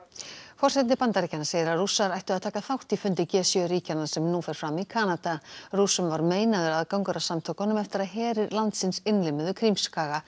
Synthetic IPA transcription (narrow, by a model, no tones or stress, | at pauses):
fɔr̥sɛt̪nɪpant̪aɾiːcanaseːjɪɾarusaɾajht̪ʏaðt̪ʰaːkaθawht̪ifʏnt̪ɪcɛːsjœɾiːcanasɛmnufɛɾ̥fɾamikʰaːnat̪arusʏmvaɾmeːjnaðʏɾaðkawŋkʏɾasamt̪ʰowkanʏmɛft̪ɪɾaðɦɛːɾɪɾlant̪sɪnsɪnlɪmʏðʏkʰɾimskaːɣa